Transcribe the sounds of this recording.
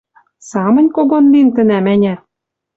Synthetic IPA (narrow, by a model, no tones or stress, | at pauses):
sɑmɤ̆nʲkoɡonlint̪ɘ̆næmænʲæ